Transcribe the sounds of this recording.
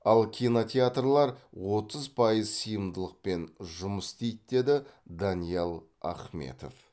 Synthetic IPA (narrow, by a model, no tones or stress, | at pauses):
ɑlˠkʲʰinot̪ʲeat̪rlˠɑɾwo̞t̪əzpʰɑjəzsəjəmd̪əlˠəq̚pe̞nʒʊməst̪ejt̪̚d̪e̞d̪ɪd̪ɑnijɑlˠ | ɑ̰χme̞̰t̪o̞̰f